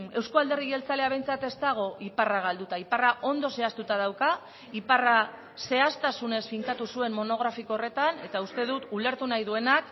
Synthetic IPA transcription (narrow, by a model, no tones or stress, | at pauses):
e̞wskoald̪e̞riɣe̞lt͡sale̞aβ̞e̞jnt͡sat̪e̞st̪aɣ̞o̞ʔiparaɣ̞ald̪ut̪aiparaʔo̞nd̪o̞se̞ast̪ut̪að̞awka | ipara | se̞ast̪asune̞sfiŋkat̪usue̞mmo̞no̞ɣ̞ɾafikoore̞t̪ane̞t̪aust̪e̞ðut̪ule̞ɾt̪unajðue̞nak